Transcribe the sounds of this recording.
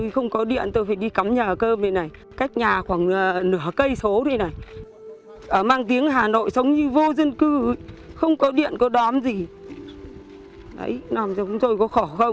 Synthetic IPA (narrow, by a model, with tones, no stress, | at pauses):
jxə˧wŋ͡mkɔ˨˦ɗḭ˧˨ənt̪o˧jfaː˧˩jɗi˧ka˨˦mɲəː˨˩kəː˧mə˨˩na˨˩j | ka˦˥jk̟̚ɲaː˨˩xwaː˧˩ŋəː˨˩nɨ˧˩əkə˧jso˨˦t̪ʰi˨˧jna˨˩j | ʔəː˧˩maː˧ŋt̪i˨˦əŋɦaː˨˩no̰˧˨jsə˨˦wŋ͡mɲɨ˧vo˧zə˧nkɨ˧˨˦xə˧wŋ͡mkɔ˨˦ɗḭ˧˨ənkɔ˨˦ɗɔ˨˦mzi˨˩ | ɗə̰˨˦jnɔ˨˩mzɔ˧˩kʊ̰˧˥ŋ͡mt̪o˧jkɔ˨˦xɔ˧˩xə˧wŋ͡m